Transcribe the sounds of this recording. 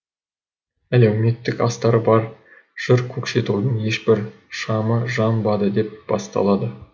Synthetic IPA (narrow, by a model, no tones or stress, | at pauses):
ælewme̞t̪ːɪkɑ̰st̪ɑɾəbɑɾ | ʒ̥ɪɾkʲʰɵkʃe̞t̪ud̪əɴje̞ʃbɪɾ | ʃɑməʒɑnbɑd̪əd̪e̞p̚b̥ɑ̰st̪ɑ̰lˠɑd̪ə